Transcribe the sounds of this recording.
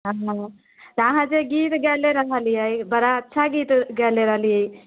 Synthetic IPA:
ɦəɦə̃ | t̪aɦãd͡ʒeɡit̪ɡɛleɾəɦəlijəjbəɾaətːʃʰaɡit̪ɡɛleɾəɦlijəj

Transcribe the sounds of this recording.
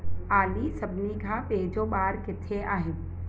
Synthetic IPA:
aːlisɐbniɡʱapeːd͡ʒoɓaːɾkɪt̪ʰeʔaːɦɪn

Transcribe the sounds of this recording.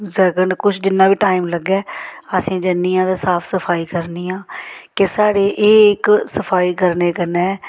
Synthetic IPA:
zɛːkəɳɖkʊt͡ʃʰd͡ʒɪnːãːbiːʈaːimləɡɛːəsĩːd͡ʒənːiːãːd̪aːsaːpʰsəpʰaːiːkəɾniːãːkesaːɽeːʔeːɪksəpʰaːiːkəɾneːkənɛː

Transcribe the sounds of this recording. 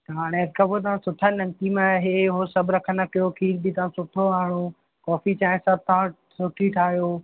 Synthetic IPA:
t̪ɦaːɽ̃eeɾkʰabot̪̬ɐʋãsʊʈʰaːnɐŋt̪imẽɦeɦosɐbʱɾɐkʰənɐkijokʰiːlbit̪ɐʋ̤ãsʊʈʰoʋaːɽ̃o | kɔːfit͡ɕaːɪ̃sɐb̚t̪ɐʋã | sʊʈʰiʈʰaːɦjo

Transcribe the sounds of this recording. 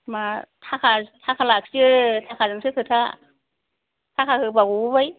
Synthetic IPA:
matʰakʰatʰakʰalak̚sitʰakʰazɯŋsɯkʰɯtʰa | tʰakʰahɯbaɡububaj

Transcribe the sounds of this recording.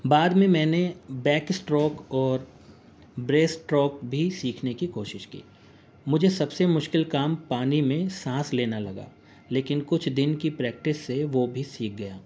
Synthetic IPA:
baːd̪mẽmɛ̃ːnebɛːksʈɾɔːkɔːɾ | bɾeːsʈɾɔːkbʱisiːkʰnekikoːʃɪʃkḭː | mʊd͡ʒʱesɐbsemʊʃkɪlkaːmpaːnimẽsãːsleːnalɐɡa̰ː | leːkɪnkʊt͡ʃʰd̪ɪnkipɾɛːk̚ʈɪsːeʋobʱisiːk̚ɡɐjaː

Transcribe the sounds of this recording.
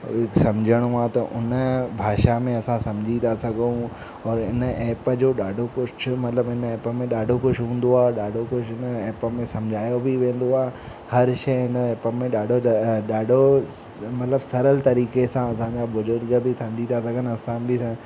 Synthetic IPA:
sɐ̃md͡ʑʱəɽ̃ũaːt̪ɐʔʊnəbʱaːʃamẽɐsãsɐ̃md͡ʑʱit̪asɐɡʱũ | ɔːɾɪnəɛːpəd͡ʑoːɗaːɖʱokʊt͡ʃʰʊmɐt̪ɪləbɦɪnɛːpəmẽɗaːɖʱokʊʃʰɦũːn̆d̪oaːɗaːɖʱokʊʃʰɪnɛːpəmẽsɐ̃md͡ʑʱaːjobɪʋẽːn̆d̪oaːɦ | hɐɾʃɐjɦɪnɛːpəmẽɗaːɖʱoɗaːɖʱo | mɐt̪ɪləbsɐɾəlt̪ɐɾiːkesãɐsãɲd͡ʑabʊzʊɾɡəbʱɪsɐ̃md͡ʑʱit̪asɐɡʱənɐsãbʱɪsã

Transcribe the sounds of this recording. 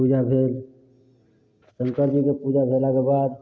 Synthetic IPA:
pud͡ʒabʱeːl | sə̃ŋkəɾd͡ʒikepud͡ʒabʱelakebad̪

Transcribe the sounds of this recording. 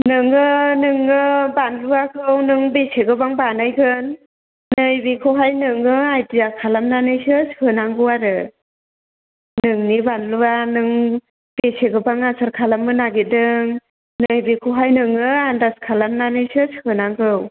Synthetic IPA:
nɯŋɯnɯŋɯbanluakʰɯwnɯŋbesʰeɡɯbaŋbanɯjɡɯnː | ɯjbikʰɯwɦajnɯŋɯajtijakʰalamnanɯjsɯshɯnaŋɡɯwaɾɯ | nɯŋnibanluanɯŋ | b̥esʰeɡɯbaŋasaɾkʰalamːɯnaɡit̚dɯŋ | nɯjbekʰɯwɦajnɯŋɯandaskʰalamnanɯjsɯshɯnaŋɡɯw

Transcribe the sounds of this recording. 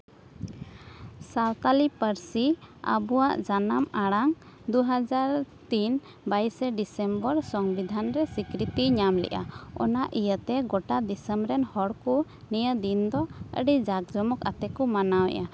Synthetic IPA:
sawt̪alipəɾsia̰buwaʔd͡ʒanamaɽaŋ | d̪uɦad͡ʒaɾt̪in | bajsɛɖisɛmbəɾsɔŋbid̪ʱanɾɛsikɾit̪iɲamlɛ̰ʔa̰ɔ̰naʔijət̪ɛɡɔʈad̪isəmbɾɛnhɔɽku | nijəd̪ind̪ɔə̰ɖid͡ʒak̚d͡ʒɔmɔka̰t̪ɛkɔmanawɛ̰ʔa

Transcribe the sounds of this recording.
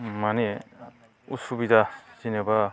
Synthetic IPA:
mane | ṵsubidasineba

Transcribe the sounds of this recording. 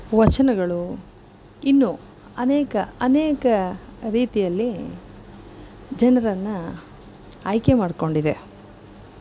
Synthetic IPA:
ʋɐt͡ʃɐnɐɡɐɭu | inːu | ɐneːkɐɐneːkɐɾiːt̪ijɐlːi | d͡ʒɐnɐɾɐnːɐː | jke̞maːɽko̞ɳɖid̪e̞

